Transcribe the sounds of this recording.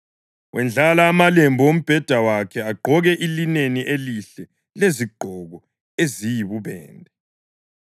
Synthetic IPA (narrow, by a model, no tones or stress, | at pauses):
wʔɛnd͡ɮʱalaːmalembʱɔom̩b̥ʱɛd̥ʱawakʰɛaɡ͡ǃʱɔɣɛʔilineniʔeliɬɛ | leziɡ͡ǃʱɔɣɔ | ezijiβuβɛ̰ːndʱɛ